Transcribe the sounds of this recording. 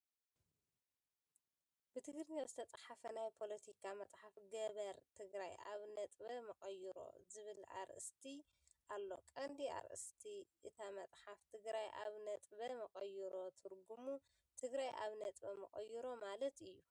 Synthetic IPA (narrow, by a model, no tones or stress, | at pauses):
b̥ɨt̪ʰɨɡɾɨɲawzɨt̪ʰɐt͡sʼɐħafɐnajpʰo̞lɐt̪ʰikʰamɐt͡sʼħafɡɐβɐɾt̪ʰɨɡɾaja̰βnɐt̪ʼbɐmɐχʼɐjiɾo̞̰zɨβɨlʔa̰ɾʔɨ̰st̪ʰi | ʔalːo̞̰kʼɐnd̪ia̰ɾʔɨ̰st̪ʰiʔɨt̪ʰamɐt͡sʼħaft̪ʰɨɡɾajʔa̰βnɐt̪ʼβɐmɐqʼɐjiɾo̞t̪ʰɨɾɡumu | t̪ʰɨɡɾajʔa̰βnɐt̪ʼbɐmɐ̰kʼɐ̰jːiɾo̞malɐt̪ɨjːu